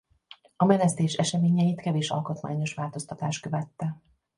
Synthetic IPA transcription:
ɒmɛnɛst̪eːʃɛʃɛmeːɲɛjit̪kɛveːʃɒ̰lkot̪ma̰ːɲo̞ʃʋaːlt̪o̞st̪ɒt̪aːʃt̪kø̞vɛt̪ːɛ

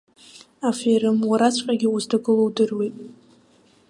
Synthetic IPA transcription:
afeɾɨmwaɾat͡sʷʰqʲʼaɡʲɪuztʰaɡɨlowdɨrwejtʼ

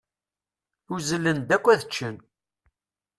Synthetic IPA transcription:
ʊzəlːənd̪ækʷːæðət͡ʃːən

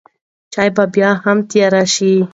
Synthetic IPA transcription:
t͡ʃɑjbabjɑhamt̪jɑɾaʃi

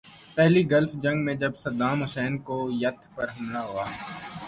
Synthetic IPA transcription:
pɛɦliːɡəlfd͡ʒə̃ŋɡmẽd͡ʒəbsəɾd̪aːmɦʊsɛːnkojət̪ʰpəɾɦəmlaːɦoːaː

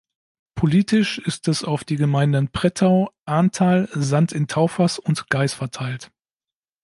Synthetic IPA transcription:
pʰoliːtɪʃɪstɛsaʊfd̥iːɡəmaɪndənpʁ̥ɛtʰaʊʔaɐntʰaːlzantɪntʰaʊfasʊntɡ̥aɪsfɛɐtʰaɪlt

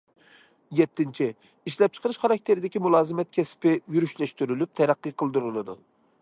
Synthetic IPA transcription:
jɛt̪ʰːɪnt͡ʃʰi | iʃlɛp̚t͡ʃʰə̥qʰəɾɨʃχɑɾɑk̚ʲt̪ʰeɾɪd̪ɪkʲimulˠɑːzɨmɛt̪̚kʲʰɛspɪjyɾyʃlɛʃt̪yɾylyp̚t̪ʰɛɾæqːɨqʰəlˠd̪uɾɨlˠɨd̪u

